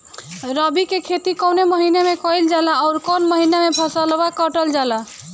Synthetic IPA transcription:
ɾəbikekʰet̪ikɔneməɦinemekɔild͡ʒalaːʊɾkonməɦinamepʰəsəlbakɔʈəld͡ʒala

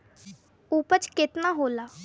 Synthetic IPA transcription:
upət͡ʃkɪt̪nãːɦoːlaː

